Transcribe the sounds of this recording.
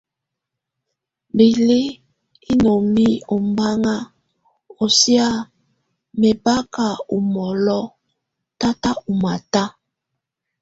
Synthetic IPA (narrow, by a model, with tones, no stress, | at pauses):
bi˨le˦ | i˦no˨mi˦o˨mba˦ŋa˦ | o˨si˦a˦ | me˨ba˦ka˨u˨mɔ˨lɔ˦ | ta˦ta˦u˨ma˨ta˦